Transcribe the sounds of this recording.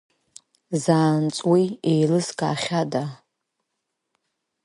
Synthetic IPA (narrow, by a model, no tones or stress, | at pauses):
zaːnt͡sʼwiejlɨskʼa̰ːχʲada